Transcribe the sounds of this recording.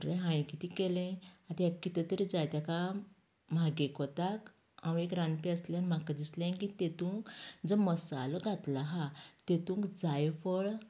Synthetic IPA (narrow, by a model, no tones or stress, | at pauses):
ʈɾeɦãj̃kit̪ikɛlẽat̪akːit̪et̪əɾid͡zajt̪jaka | maɡekɔt̪ak | ãwekɾãnpiəsleanim̤akad̪islẽkit̪et̪ũːkd͡zəməsalɔɡʱat̪laɦat̪et̪ũːŋkd͡zajfɔɭ